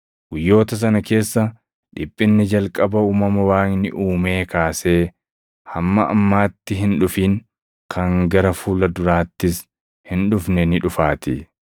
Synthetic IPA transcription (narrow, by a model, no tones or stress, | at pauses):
ɡ̥ʊjːo̞ːt̪ɐs̬ɐnɐke̞ːsːɐ | ᶑɪpʼːɪnːɪd͡ʒɐlkʼɐbɐuːmɐmɐwaːŋnɪʔuːme̞ːkaːse̞ː | hɐmːɐʔɐ̰mːaːt̪ːɪɦɪnᶑʊfiːŋ | kʰɐŋɡɐɾɐfuːlɐd̪ʊɾaːt̪ːɪs | hɪnᶑʊfnɛnɪᶑʊfaːt̪ɪ